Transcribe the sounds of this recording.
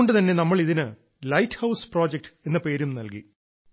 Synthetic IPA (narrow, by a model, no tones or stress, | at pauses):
oɳɖɨt̪ɐnːe̞nɐmːɐɭiðinɨ | lɐjtːhɐwspro̞ːd͡ʑek̚ʈɨ̥e̞nːɐpe̞ːɾumnɐlkḭ